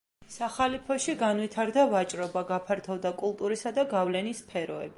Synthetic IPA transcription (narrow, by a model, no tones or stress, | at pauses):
saχalipʰɔʃiɡanwit̪ʰaɾd̪avat͡ʃʼɾɔbaɡapʰaɾt̪ʰɔvd̪akʼulˠt̪ʼuɾisad̪aɡavlɛnispʰɛɾɔɛ̰bi